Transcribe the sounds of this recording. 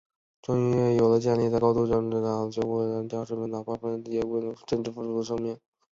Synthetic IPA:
ʈ͡ʂʊ˥ŋy˥˩jo˨˩ʊlə˦t͡ɕjɛ˥˧nli˥˧t͡sa˥˧ɪkɑ˥ʊt̪u˥˧ʈ͡ʂɑ˥˩ŋʈ͡ʂ̩˥˩ɑ˥˩t͡ɕjo˥˧xɔ˥˩˧ə˧˥nt̪jɑ˥ʊʂɻ̩˥mə˥nɑ˨˩ʊpa˥fə˥˧t̪i˥˩jɛ˥we˥˩˧ʈ͡ʂə˥˧nʈ͡ʂɻ̩˥˩fu˥˩ʈ͡ʂu˥ə˧ʂ̬ɑ˥ŋmjɛ˥˩n

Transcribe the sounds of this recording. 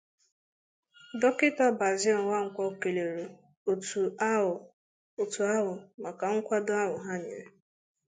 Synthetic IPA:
dɔ˦kɪ˦ta˦ba˨zi˦ɔ˨n˨wa˦ŋ̩˨kʷɔ˦˨ke˨le˨ɾo˨ | tu˨˦˨ | o˨tu˨a˦ɦʊ˨ma˨ka˨ŋ̩˦kʷa˦dʊ˦a˦ɦʊ˨ɦa˦ɲ̩˨ḛ˦

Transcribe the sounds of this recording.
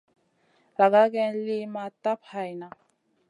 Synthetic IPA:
la˨ka˦kɛ˦nli˦ma˦ta˦pha˨jna˨

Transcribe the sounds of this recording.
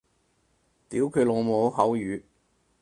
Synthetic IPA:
t̪iː˨˥wkʰɵ˨˧lo˨˧ŋmo˨˧˥wɦɐ˨˥wjyː˨˧

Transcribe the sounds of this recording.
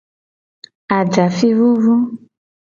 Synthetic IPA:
a˨d͡ʒa˨fi˦vu˦vu˦

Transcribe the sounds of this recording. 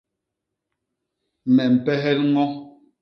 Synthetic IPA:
mɛ˨m̩˨pɛ˦ɦɛ˦lŋɔ˦

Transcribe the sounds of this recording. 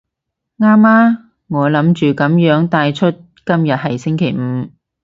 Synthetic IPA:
ŋaː˥maː˥ | ŋɔː˨˧lɐ˨˥mt͡ʃyː˨kɐ˨˥mjœː˨˥ŋt̪aː˧jt͡ʃʰɵ˥t̚ | kɐ˥mjɐ˨t̚ɦɐ˨jsɪ˥ŋkʰe˨˩jm̩˨˧˦

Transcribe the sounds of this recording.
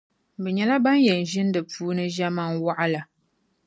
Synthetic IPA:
bɨ˨ɲɛ˨la˦ba˦n˦jɛ˨n̩˨ʒi˦n̩˦dɨ˨p͡fuː˦nɨ˦ʒa˦ma˦nwa˦ʔa˦la˨

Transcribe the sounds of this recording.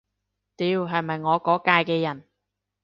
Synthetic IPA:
t̪iː˧wɦɐ˨jmɐ˨jŋɔː˨˧kɔː˨˥kaː˧jkɛː˧jɐ˨˩n

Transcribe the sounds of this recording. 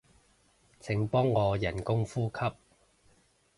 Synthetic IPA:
t͡sʰɪ˨˥ŋpɔː˥ŋːɔː˨˧jɐ˨˩nkʊ˥ŋfuː˥kʰɐ˥p̚

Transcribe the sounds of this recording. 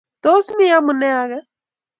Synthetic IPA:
t̪o˦si˦mɪ˦ja˦mʊ˨nɛ˦a˨ɣa˦

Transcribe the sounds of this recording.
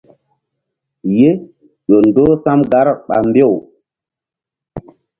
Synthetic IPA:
je˦ | ɗo˨ndo˦sa˦mɡa˦ɾɓa̰˨mbe˦˨w

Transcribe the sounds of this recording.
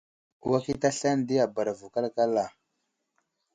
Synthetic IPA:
wa˦ki˦ta˦ɬa˦n˨di˦a˨ba˨ɾa˨vu˨ka˦lka˦la˨

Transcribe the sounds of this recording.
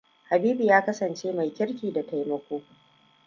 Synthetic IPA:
ha˨biː˦bi˨jaː˦kɐ˦sɐ˨nt͡ʃeː˦ma˨jkʲɪ˦ɾkʲiː˨da˨ta˨jmɐ˦kʷoː˦

